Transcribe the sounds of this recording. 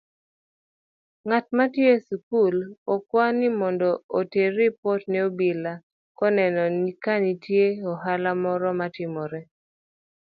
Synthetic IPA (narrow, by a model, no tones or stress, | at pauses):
ŋatmatjesukulɔkwanimɔndɔoteɾipɔtnɛobila | kɔnɛnɔnikanitjeɔhalamɔɾɔmatɪmɔɾɛ